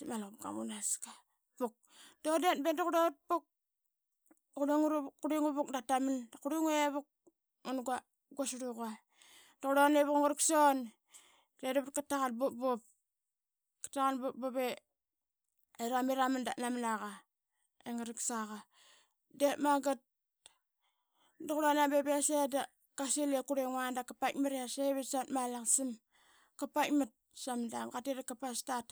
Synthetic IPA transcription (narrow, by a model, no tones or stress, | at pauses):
malupɡa̰mṵnaska | puk̚ | dodetbedukudot̚puk̚ | kuɾiŋuɾuuɾiŋuβuk̚datamandakuɾiŋueβuk̚ | munɡa | ɡosuɾuka | dakuɾoneβukŋoɾikson | dedβut̚katakanbop̚bop̚ | kḁtaɣanbop̚bope | eɾamiɾamandanamnaɣa | eŋaɾiksaɣa | detmaɡat̚ | doɣuɾanabebeseda | kaselekuɾeŋwandakapakmaɾeaseβesatmalaŋsim | kapamat̚samndamɡateɾakːapastat